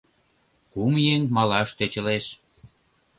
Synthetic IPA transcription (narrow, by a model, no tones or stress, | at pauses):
kumjeŋmɑlɑʃt̪et͡ɕə̆leʃ